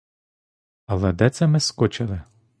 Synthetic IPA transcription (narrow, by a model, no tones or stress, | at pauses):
ɐlˠɛd̪ɛt̪sɛmɪskɔt͡ʃɪlˠɪ